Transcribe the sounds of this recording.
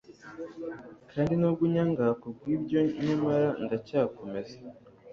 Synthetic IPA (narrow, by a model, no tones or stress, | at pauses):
kaːndinobɡuɲaŋɡakub̚ɡwiːbɟo̞ɲamaɾandacaːko̞me̞ze̥